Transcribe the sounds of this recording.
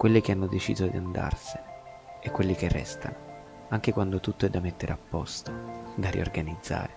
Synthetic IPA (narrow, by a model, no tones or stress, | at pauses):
kwelːik̟eanːod̪et͡ʃḭːzod̪iand̪a̰rsɪ̥ | ɛkːwelːik̟erːɛ̰st̪a̰no | aŋk̟ekwand̪ot̪ut̪ːoɛd̪ːamet̪ːeɾeapːɔst̪od̪aɾḭorɡanid̪zːa̰ːɾe